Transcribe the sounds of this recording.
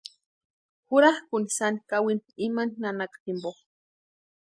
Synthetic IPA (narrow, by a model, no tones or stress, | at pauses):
xuɾahkunisanikawinimaninanakḁt̪imboχ